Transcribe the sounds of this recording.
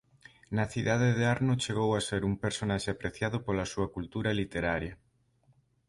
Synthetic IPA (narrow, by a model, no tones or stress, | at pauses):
nɐθiðað̞eðeaɾnʊt͡ʃeɣ̞owaseɾumpeɾsonaʃeapɾeθjaðʊpolasuɐkult̪uɾɐlit̪eɾaɾjɐ